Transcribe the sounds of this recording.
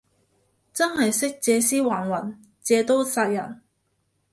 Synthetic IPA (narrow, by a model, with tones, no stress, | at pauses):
t͡sɐ˥nɦɐ˨jsɪ˥k̚t͡sɛː˨˧siː˥waː˨˩nwɐ˨˩n | t͡sɛː˨˧t̪o˥wsaː˧jɐ˨˩n